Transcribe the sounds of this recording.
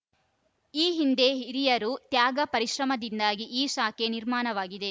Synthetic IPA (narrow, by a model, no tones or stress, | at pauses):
iːɦind̪e̞ɾijɐɾut̪jaːɡɐpɐɾiʃɾɐmɐd̪ind̪aːɡiʔiːʃaːkeniɾmaːnɐʋaːɡid̪e̞